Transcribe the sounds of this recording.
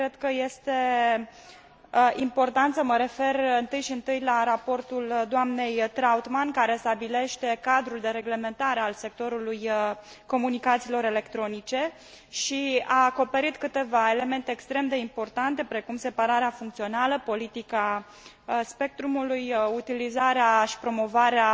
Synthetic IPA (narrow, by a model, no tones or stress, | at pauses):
kɾed̪̥kəje̞st̪e̞ | əimpo̞rt̪ant̪səməɾe̞fe̞rɨnt̪ɨjʃiɨnt̪ɨjlaɾapo̞rt̪uld̪oamne̞jt̪ɾaut̪mankaɾe̞st̪abile̞ʃt̪e̞kad̪ɾuld̪e̞ɾe̞ɡle̞me̞nt̪aɾe̞alse̞k̚t̪o̞ɾuluj | ko̞munikat̪silo̞ɾe̞le̞kt̪ɾo̞nit͡ʃe̞ | ʃiaːko̞pe̞ɾit̪kɨt̪e̞vae̞le̞me̞nt̪eːkst̪ɾe̞md̪e̞impo̞rt̪ant̪e̞pɾe̞kumse̞paɾaɾeafuŋkt̪sio̞naləpo̞lit̪ika | spe̞k̚t̪ɾumulujut̪ilizaɾeaʃi̥pɾo̞mo̞vaɾea